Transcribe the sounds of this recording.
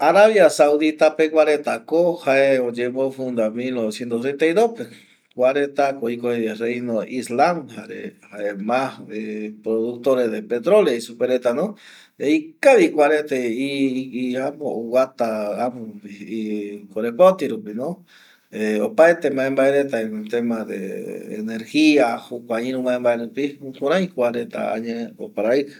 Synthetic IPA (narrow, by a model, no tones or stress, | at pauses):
aɾaβjasauðit̪apekwaɾet̪akohaeod͡ʒeβofund̪amilnoβesjent̪ost̪ɾent̪aid̪ope | kwʷaɾet̪akoikoeðerejnoislamhaɾḛhaemahepɾoðuk̚t̪oɾeðepet̪ɾoleisupeɾet̪ano | ikaβikʷaɾet̪eiiamouwat̪aamoiikoɾepot̪iɾupino | eopaet̪emaembaeɾet̪aent̪emaðḛḛneɾxiahukʷaɲĩɾũmaembaeɾepiuhuɾãjkwaɾet̪a̰a̰ɲeopaɾai